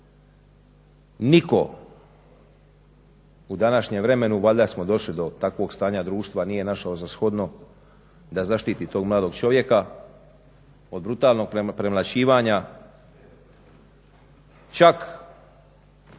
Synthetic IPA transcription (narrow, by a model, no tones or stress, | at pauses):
niko̞̰ | ud̪anaʃɲemʋɾe̞me̞nuʋaʎʲd̪asmo̞d̪o̞ʃlid̪o̞t̪akʋo̞ɡst̪aːɲad̪ɾuːʃt̪ʋanije̞naʃaozasxo̞d̪no̞ | d̪azaʃt̪iːt̪it̪o̞ːɡmlaːd̪o̞ɡt͡ʃo̞ʋje̞ka | o̞d̪̚bɾut̪aːlˠno̞ɡ̚pɾemlat͡ɕiːʋaːɲa | t͡ʃak